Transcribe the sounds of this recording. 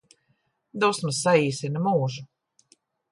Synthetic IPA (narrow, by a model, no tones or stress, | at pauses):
d̪ɔwsmasːaiːsinɐmuːʒu